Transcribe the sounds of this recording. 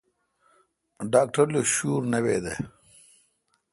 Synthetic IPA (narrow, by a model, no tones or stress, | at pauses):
ɖaːk̚ʈɐɾloɕuːɾnɐweːd̪e